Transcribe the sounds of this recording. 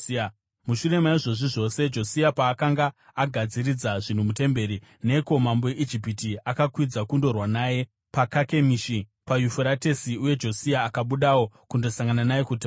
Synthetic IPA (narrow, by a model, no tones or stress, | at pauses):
muʃuɾe̞maiʐo̞ʐiʐo̞se̞d͡ʒo̞siapaːkaŋɡaaɡʱad͡ziɾid͡zaʐin̤umute̞mbe̞ɾine̞ko̞mambo̞jeʔid͡ʒipitiakakwid͡zakundo̞rwanaːje̞ | pakake̞miʃipajufoɾate̞siuje̞d͡ʒo̞siaːkaɓuɗawo̞kundo̞saŋɡananaje̞kuti